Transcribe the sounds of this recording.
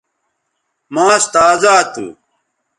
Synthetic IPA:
maːst̪aːzaːt̪ṵ

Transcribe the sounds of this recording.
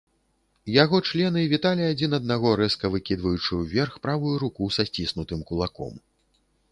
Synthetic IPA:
jaɣɔt͡ʂlʲɛnɨvʲit̪alʲiad͡zʲin̪ɐd̪̚naɣɔɾɛskɐvɨkʲid̪vɐjut͡ʂɨwvʲɛrxpɾavujuɾukusasʲt͡sʲisnut̪ɨmkulˠakɔ̰m

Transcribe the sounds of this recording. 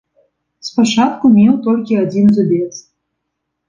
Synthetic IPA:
spat͡ʂat̪̚kumʲewt̪ɔlʲkʲiad͡zʲinzubʲet̪s

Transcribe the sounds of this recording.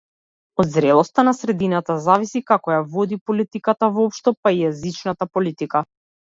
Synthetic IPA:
ɔd̪zɾɛlˠɔst̪anasɾɛd̪inat̪azavisikakɔjavɔd̪ipɔlit̪ikat̪avɔpʃt̪ɔpaijɛzit͡ʃnat̪apɔlit̪ika

